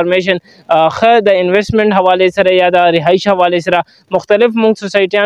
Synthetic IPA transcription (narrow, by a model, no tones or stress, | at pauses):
ɾmeʃ̬ɐn | xəd̪əɪnwesʈmẽɳʈɦɐʋɑːlesɐɾajad̪əɾɪɦaːɪʃhɐʋɑːlesɐɾa | mʊxt̪alɪfmʊŋɡsosaːjɪʈijɑ